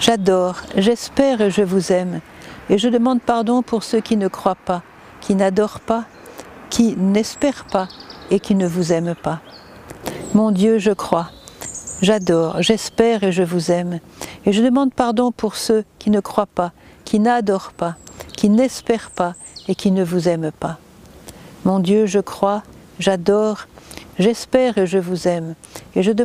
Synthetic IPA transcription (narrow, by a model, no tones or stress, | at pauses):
ʒad̪ɔʁʒɛspɛʁeʒəvuzɛmeʒəd̪əmɑ̃d̪paʁd̪ɔ̃puʁsøkʲinəkχwapa | kʲʰinad̪ɔʁpa | kʲʰinɛspɛʁpaekʲinəvuzɛmpa | mɔ̃d̪jøʒəkχwa | ʒad̪ɔʁʒɛspɛʁeʒəvuzɛmeʒəd̪əmɑ̃d̪̚paʁd̪ɔ̃puʁsøkʲinəkχwapakʲʰinad̪ɔʁpakʲinɛspɛʁpaekʲinəvuzɛmpa | mɔ̃d̪jøʒəkχwa | ʒad̪ɔʁʒɛspɛʁeʒəvuzɛm | eʒəd̪ə